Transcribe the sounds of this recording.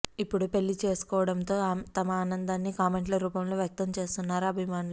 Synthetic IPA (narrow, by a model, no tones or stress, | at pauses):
ipːuɽupe̞lːit͡ʃe̞ːsu̥kɔːʋɐɽɐnt̪o̞ːt̪ɐmɐaːnɐnd̪aːnːikaːme̞ɳʈlɐɾuːpɐmlo̞ːʋjɐk̚t̪ɐmt͡ʃe̞ːst̪unːaːɾuɐbʱimaːnul